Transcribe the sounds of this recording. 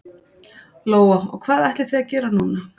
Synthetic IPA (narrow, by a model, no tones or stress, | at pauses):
loːwɔɔ̰ɣkʰvaːðɛht̪lɪθeðacɛːɾanuːna